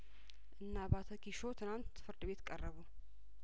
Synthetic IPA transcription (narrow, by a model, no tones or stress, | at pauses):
ʔɨnːabat̪ʰəkʰiʃot̪ʰɨnant̪fɨɾd̪ɨβe̞t̪kʼərːəβu